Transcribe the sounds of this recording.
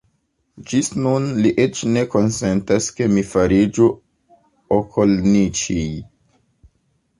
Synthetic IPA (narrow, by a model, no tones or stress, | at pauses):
d͡ʒisnunliʔe̞t͡ʃne̞ko̞nse̞ntaske̞mifaɾid͡ʒu | okʰolnit͡ʃij